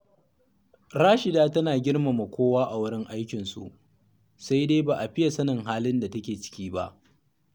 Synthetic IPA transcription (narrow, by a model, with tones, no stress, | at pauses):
ɾaː˦ʃɪ˨daː˦tɐ˦naː˨ɡʲɪ˦rma˨ma˨kʷoː˦waː˦ʔa˨wʊ˦ɽɪ˦ŋʔa˦jkʲɪ˨nsṵ˨ʔ | sa˦jde˦baː˨ʔa˨ɸɪ˦ja˨sɐ˦nɐ˨ŋɦaː˦lɪ˦nda˨tɐ˦kʲeː˨t͡ʃɪ̥˦kʲiː˦ba̰˦ʔ